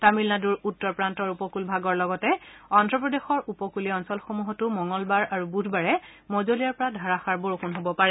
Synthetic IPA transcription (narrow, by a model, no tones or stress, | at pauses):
tamilnaduɹutːɔɹpɹantɔɹupɔkulbʱaɡɔɹlɔɡɔtɛɔndɹɔpɹɔdexɔɹupɔkuliɔnsɔlxomuɦɔtumɔŋɡɔlbaɹaɹubudʱbaɹɛ | mɔzolijaɹpɔɹadʱaɹaxaɹboɹoxunɦobɔpaɹɛ